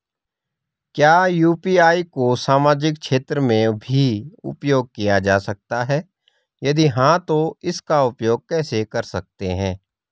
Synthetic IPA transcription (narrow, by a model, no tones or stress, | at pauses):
kjaːjuːpiaːikosaːmaːd͡ʒɪk̚ʃeːt̪ɾəmẽbʱiʊ̰pjoːɡ̚kijad͡ʒaːsɐk̚t̪aɦɛː | jɐd̪iɦãt̪oɪskaʊpjoːɡ̚kɛːsekɐɾsɐk̚t̪eɦɛ̃ː